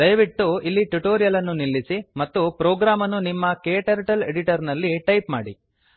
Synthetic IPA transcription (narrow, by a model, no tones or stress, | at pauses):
d̪ɐjʋiʈːuilːiʈuʈoːɾijɐlɐnːunilːisimɐt̪ːupɾoːɡɾaːmɐnːunimːɐkeːʈɐɾʈɐlḛɽiʈɐɾnɐlːiʈɐjpmaːɽḭ